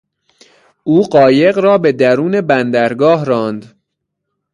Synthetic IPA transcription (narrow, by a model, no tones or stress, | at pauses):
ʔuːɢɒːjeɣɾɒːbe̞d̪æɾuːnebænd̪æɾɡɒːɦɾɒːnd̪